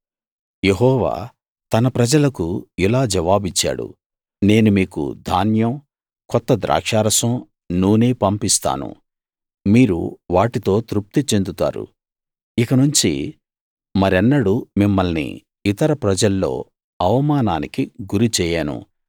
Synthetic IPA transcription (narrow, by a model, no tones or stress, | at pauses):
jeɦɔːʋa̰ː | t̪ɐnɐpɾɐd͡ʒɐlɐkuilaːd͡ʒɐʋaːbit͡ʃːa̰ːɽṵ | ne̞ːnumiːkṵd̪ʱaːnjɐm | kɔt̪ːɐd̪ɾʔa̰ːkʂaːɾɐsɐ̃m | nuːneːpɐmpist̪a̰ːnṵ | miːɾṵʋaːʈit̪o̞ːt̪ɾup̚t̪it͡ʃe̞nd̪ut̪a̰ːɾṵ | ikɐnuɲt͡ʃi | mɐɾɛnːɐɽumimːɐlnḭ | it̪ɐɾɐpɾɐd͡ʒɐlːo̞̰ː | ɐʋɐmaːnaːnikiɡuɾit͡ʃɛːjaːnṵ